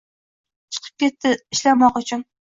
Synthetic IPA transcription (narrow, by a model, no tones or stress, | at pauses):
t͡ʃʰɨ̥qʰə̥p̚kʲet̪ʰːɪiʃlamɑqʊt͡ʃʰyn